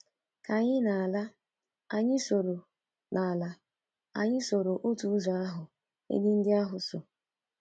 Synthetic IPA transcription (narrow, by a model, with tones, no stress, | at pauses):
ka˨ɲɪ˦na˨a˨la˦ | a˨ɲɪ˦so˨ɾo˨ | nʔa˨a˨la˨ | a̰˨ɲɪ˦so˨ɾo˨ʔo˦tu˨˦za˨a˦ɦʊ˨ | ḛ˦dɪ˦n̩˦dɪ˦a˦ɦʊ˨so˨